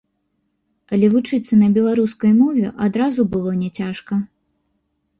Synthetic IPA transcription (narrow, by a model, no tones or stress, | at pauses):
ɐlʲɛvut͡ʂɨt̪sːɐnɐbʲɛlˠaɾuskɐjmɔvʲɛ̰ʔad̪ɾazubɨlˠɔnʲɛt͡sʲaʂkɐ